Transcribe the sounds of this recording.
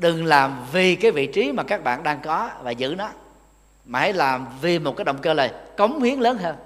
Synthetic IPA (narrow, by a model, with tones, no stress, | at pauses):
ɗɨ˨˩ŋlaː˨˩mvi˨˩kaː˨˦jvḭ˧˨t͡ɕi˨˦maː˨˩kaː˦˥k̚ɓa̰ː˧˨nɗaː˧ŋkɔ˨˦vaː˨˩zɨ̰˧˥nɔ˨˦ | maː˨˩a̰˨˦jlaː˨˩mvi˨˩mo˨˩kːaː˨˦jɗə̰˧˨ŋ͡mkəː˧ləː˨˩jkə˨˦wŋ͡mhi˨˦əŋləː˨˦nɦəː˧n